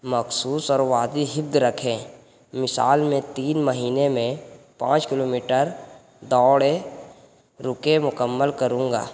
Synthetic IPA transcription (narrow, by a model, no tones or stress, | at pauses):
məxsuːsɔːɾʋaːd̪iɦɪb̚d̪ɾəkʰẽ | mɪsa̰ːlmẽt̪iːnməɦiːnemẽpãːt͡ʃkɪloːmiːʈəɾ | d̪ɔːɽe | ɾʊkemʊkəmːəlkəɾũːŋɡa̰ː